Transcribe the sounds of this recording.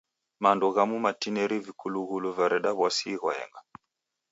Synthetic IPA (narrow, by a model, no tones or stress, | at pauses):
mandɔɣamumatinɛɾivikuluɣuluvaɾɛɗaβwasiɣɔɛ̰ŋɡa